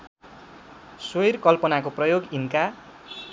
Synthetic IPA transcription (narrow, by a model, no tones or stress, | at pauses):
sojrkʌlpʌnakoprʌjoɡinka